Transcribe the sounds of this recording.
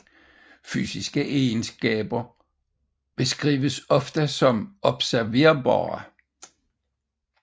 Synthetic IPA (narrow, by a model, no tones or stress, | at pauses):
fy̰ːsisɡ̥əʔensɡ̥ɛ̰ːb̥ɐ | b̥e̝sɡ̥ʁḭːʋəsɒ̽fd̥əsɒ̽mɒ̽b̥sæɐʋe̝ɐbɑ̰ːɐ